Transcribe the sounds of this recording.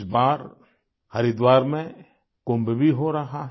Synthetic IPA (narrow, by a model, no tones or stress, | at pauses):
sbaːɾ | hɐɾid̪waːɾmẽ | koːmbebʱiɦoɾɐɦaɦ